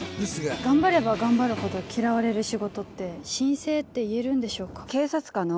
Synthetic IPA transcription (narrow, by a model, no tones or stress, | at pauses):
sɨɡaɡãmbaɾe̞baɡãmbaɾɯ̟ho̞d̪o̞kʲiɾaβaɾe̞ɾɯ̟ɕiɡo̞t̪o̞t̪ːe̞ɕĩɰ̃se̞ːt̪ːe̞ie̞ɾɯ̟̃nd̪e̞ɕo̞ːkḁke̞ːsat͡sɨ̥kano